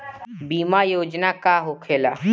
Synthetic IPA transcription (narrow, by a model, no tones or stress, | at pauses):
biːmajoːd͡ʒnakaɦokʰeːla̰ː